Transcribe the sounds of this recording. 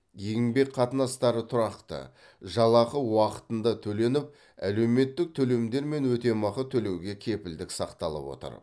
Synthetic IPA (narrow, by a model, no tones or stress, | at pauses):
jeɡʲɪŋbe̞kqʰɑt̪ənɑst̪ɑɾət̪ʰʊɾɑqt̪ə̰ | ʒɑlˠɑqəwɑqə̥t̪ənd̪ɑt̪ʰɵle̞nɪp̚ | æle̞wme̞t̪ːɪk̚t̪ʰɵle̞md̪e̞ɾme̞nwɵt̪e̞mɑqət̪ʰɵle̞wɡʲe̞kʲʰe̞pɪld̪ɪksɑqt̪ɑlˠə̰pwo̞̰t̪ə̰ɾ